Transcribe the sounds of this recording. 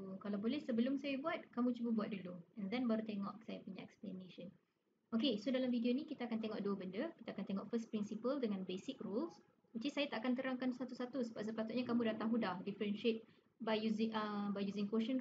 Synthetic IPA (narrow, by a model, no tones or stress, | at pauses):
kalawbolɛhsəbəlʊmsajabuat̪̚kamũt͡ʃubəbuat̪̚duluɛ̃nd̪ɛnbaɾut̪eŋɔʔsajapuɲãʔɛksplɛnẽʃən | okesodalamvidionĩkit̪akant̪eŋɔʔduəbəndəkit̪aːkant̪eŋɔʔfəspɾinsipəldəŋãnbesɪkruls | ut͡ʃisajat̪aʔakant̪əɾaŋkansat̪usat̪usəbap̚səpat̪ʊt̪̚ɲakamũdat̪aɦudahdifəɾənʃet̪̚ | bajjuzɪʔəbajjuzɪŋkoʃə̃n